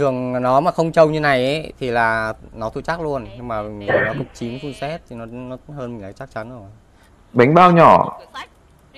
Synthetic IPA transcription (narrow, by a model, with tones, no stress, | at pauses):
t̪ɨ˨˩əŋnɔ˨˦maː˨˩xə˧wŋ͡mt͡ɕə˧wɲɨ˧na˨˩jʔt̪ʰi˨˩laː˨˩nɔ˨˦t̪ʰu˧˩t͡ɕaː˦˥k̚lu˧ənɲɨ˧ŋmaː˨˩mï˨˩ŋː˨˩nɔ˨˦kə˨˩k͡p̚t͡ɕi˨˦ənsu˧nsɛ˦˥t̚t̪ʰi˨˩nɔ˨˦nɔ˨˦həː˧nmï̟˨˩la̰ː˨˩t͡ɕa˦˥k̚t͡ɕa˨˦nʔəː˧˩˨ | ɓa˨˦jŋ̟ɓaː˧wɲɔ̰˧˩